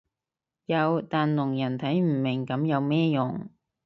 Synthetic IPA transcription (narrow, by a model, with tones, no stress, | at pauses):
jɐ˨˧wt̪aː˨nlʊ˨˩ŋjɐ˨˩nt̪ʰɐ˨˥jm̩˨˩mɪ˨˩ŋkɐ˨˥mjɐ˨˧wmɛː˥jʊ˨˩ŋ